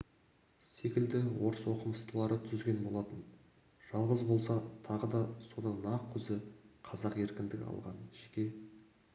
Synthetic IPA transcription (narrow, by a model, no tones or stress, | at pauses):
se̞kʲɪld̪ɪwo̞ɾəswo̞qəməst̪əlˠɑɾət̪ʰʏzɡʲe̞nbo̞lˠɑt̪ən | ʒ̥ɑlˠʁəzbo̞lˠsɑt̪ʰɑʁəd̪ɑso̞d̪ɑnɑq̚kʲʰːʏzɪqʰɑzɑqe̞ɾkʲɪnd̪ɪɡʲɪ̰ɑ̰lˠʁɑ̰nʒekʲe̞